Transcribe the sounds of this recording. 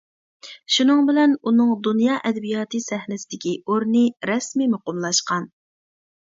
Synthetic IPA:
ʃunɨŋbɪlɛnunɨŋd̪unjɑːʔɛd̪ɛbijɑːt̪ɨsɛhnɪsɪd̪ɪkʲioɾnɨɾɛsmimʊqʊmlˠɑʃqɑn

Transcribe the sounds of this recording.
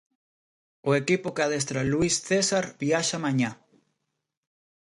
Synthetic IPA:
ʊekipokeaðes̬t̪ɾaluisθesaɾbiaʃamãɲa

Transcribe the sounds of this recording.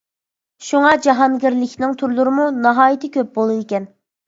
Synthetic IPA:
ʃuŋɑd͡ʒɑɦɑnɡʲiɾlɪkʲʰnɪŋt̪ʰuɾlˠuɾɨmunɑɦɑːjit̪ʰɪkʲøp̚bolˠud̪ekʲɛn

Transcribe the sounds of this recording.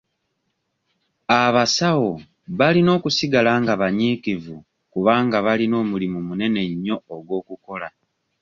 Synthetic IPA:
aβasawo̞ | βalino̞ːkusiɡalaŋɡaβaɲiːkivu | kuβaːŋɡaβalino̞ːmulimumune̞ne̞ɲːo̞ːɡwo̞ːkuko̞la

